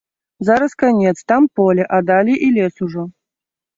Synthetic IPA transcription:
zaɾɐskanʲɛt̪st̪ampɔlʲɛʔad̪alʲiʔilʲɛsuʐɔ

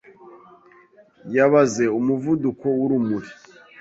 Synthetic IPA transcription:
jaβaze̞umuvuduko̞wuɾumuɾi

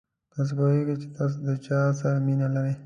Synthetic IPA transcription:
t̪ɑs̬epojeɡat͡ʃe̥t̪ɑs̬od̪ət͡ʃɑsaɾaminalaɾej

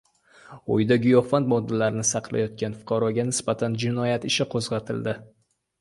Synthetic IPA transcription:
o̰jd̪aɡʲʊjofant̪mɒd̪ːalaɾɪnɪsɑqlˠa̰jɒt̪̚kʲanfʊ̥qʰɑɾɒɡʲanɪsbat̪ʰand͡ʒɪnɒjat̪ɪʃɪqʰozʁɑt̪ʰɪld̪ɪ

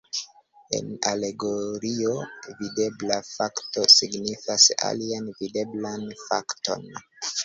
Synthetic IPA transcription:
e̞̰na̰le̞ɡo̞ɾiovide̞blafakto̞siɡnifasa̰lianvide̞blanfa̰kto̞̰n

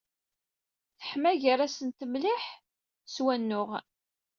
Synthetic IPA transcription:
θə̥ħmæʝəɾæsənt̪əmlɪħ | swænːʊʁ

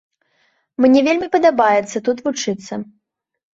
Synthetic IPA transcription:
mnʲɛvʲelʲmʲipɐd̪abajɛt̪sːɐt̪ut̪vut͡ʂɨt̪sːɐ

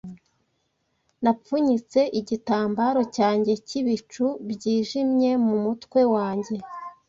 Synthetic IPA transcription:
nap͡fuɲit͡se̞ʔiɟitaːmbaːɾo̞caːɲɟe̞ciβit͡ʃubɟiːʒimɲe̞mumutkwe̞waːɲɟe̞

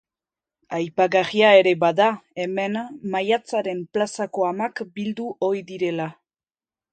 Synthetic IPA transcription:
ajpaɣariae̞ɾe̞baðae̞me̞nmajat͡saɾe̞mplasako̞amakbild̪uʔo̞iðiɾe̞la

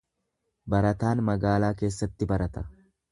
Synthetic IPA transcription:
bɐɾɐt̪aːnmɐɡaːlaːke̞ːsːɐt̪ːɪbɐɾɐt̪ɐ

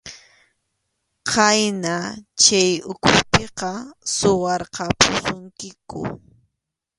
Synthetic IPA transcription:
qajnat͡ʃajʊkʰʊpeqɑsʊwɑɾqɑpʊsʊŋkɪkʊ̰

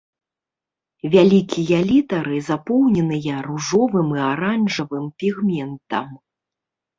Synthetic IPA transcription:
vʲalʲikʲijɐlʲit̪ɐɾɨzapɔwnʲɛnɨjɐruʐɔvɨmiaɾanʐɐvɨmpʲiɣmʲɛnt̪ɐ̰m

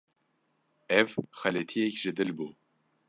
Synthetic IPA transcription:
ɛvxɛlet̪ʰijɛkʒɨd̪ɨlbu

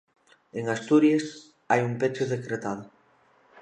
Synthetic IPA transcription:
eŋast̪uɾjes | ajumpet͡ʃʊðekɾet̪að̞ʊ

